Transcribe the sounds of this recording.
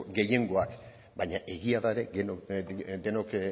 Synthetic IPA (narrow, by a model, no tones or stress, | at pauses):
ɡe̞je̞ŋɡo̞ak | baɲaʔe̞ɣiaðaeɾe̞e | d̪enok